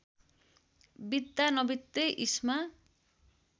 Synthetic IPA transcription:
bid̪ːanʌbit̪ːeʔisma

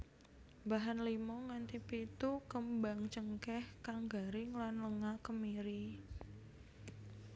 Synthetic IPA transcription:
baɦanlimɔŋant̪ipit̪ukəmbaŋt͡ʃəŋkɛhkaŋɡaɾɪŋlanləŋakəmiɾi

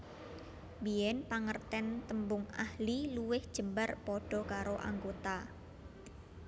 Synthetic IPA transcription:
bijɛnpaŋərt̪ɛnt̪əmbʊŋa̰hliluwɪhd̥ʒ̥ə̤mbarpɔɖ̥ɔ̤kaɾoʔa̰ŋɡot̪a

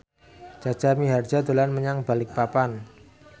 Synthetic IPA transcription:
d͡ʒ̥a̤̥d͡ʒ̥a̤miɦard̥d͡ʒ̥a̤d̪o̤lanməɲaŋb̥a̤lɪk̚papan

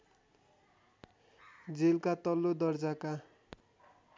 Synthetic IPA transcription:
d͡zelkat̪ʌlːod̪ʌrd͡zaka

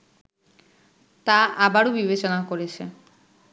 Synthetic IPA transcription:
t̪aʔabaɽubibet͡ɕɔnakoɾet͡ɕʰe

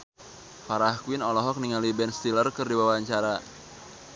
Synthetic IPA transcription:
faɾahkuwinɔlɔɦɔk̚niŋalibɛnst̪ilərkɨrdiwawaɲt͡ʃaɾa

